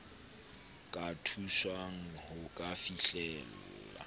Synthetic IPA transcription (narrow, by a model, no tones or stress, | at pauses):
kʼatʰuʃwaŋ̩hʊkʼafiɬɛlʊːla̰